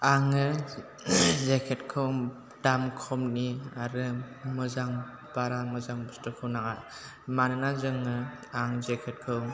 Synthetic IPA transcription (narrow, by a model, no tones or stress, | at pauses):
aŋɯ | zekʰetkʰɯw | damkʰɔmniaɾɯmɯzaŋ | b̥aɾamɯzaŋbɯstɯkʰɯwnaŋa | manɯnazɯŋɯ | aŋzekʰet̚kʰɯw